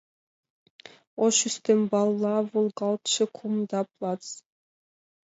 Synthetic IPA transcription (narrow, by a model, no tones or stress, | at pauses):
oʃyst̪embɑlˠːɑvulˠɡɑlˠt̪ʃɨkʰumd̪ɑplˠɑt̪s